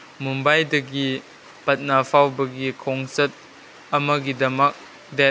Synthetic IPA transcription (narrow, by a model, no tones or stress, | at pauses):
mumbɐjdɐɡi | pɐt̚napʰawbɐɡikʰɔŋsɐt̚ | ɐmɐɡidɐmɐk̚ | dɛ